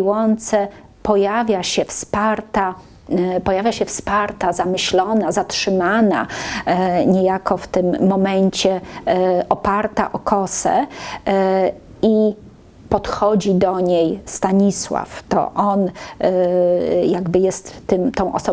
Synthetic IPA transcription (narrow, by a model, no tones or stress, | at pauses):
wɔnt̪sɛ | pɔjavʲjaɕɛfspaɾt̪a | pɔjavʲjaɕɛfspaɾt̪azamɘɕlɔnazatʂɘmana̰ | ɲɛjakɔft̪ɘmːɔmɛɲt͡ɕɛ | ʔɔpaɾt̪a̰ʔɔkʰɔsɛ̰ | i | pɔt̪xɔd͡ʑid̪ɔɲejst̪aɲiswa̰ft̪ɔ̰ʔɔn | jaɡbɘjɛst̪ːɘmt̪ɔ̃w̃ʔɔ̰sɔ